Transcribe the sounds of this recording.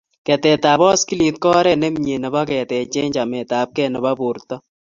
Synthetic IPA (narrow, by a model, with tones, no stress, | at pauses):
kɛ˨tɛ˨taː˨bɔ˦ski˦li˨t̚kɔ˦ɾɛ˦nɛ˦mɲe˨nɪ˨ba˦kɛ˨tɛ˨t͡ʃe˦ɲd͡ʒa˨mɛ˨taː˨p̚kɛ˦˨nɔ˨ba˦bu˨ɾtɔ˦